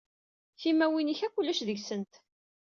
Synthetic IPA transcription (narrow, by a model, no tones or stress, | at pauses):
θimæwiniçækʷːulːæʃðəʝsənt̪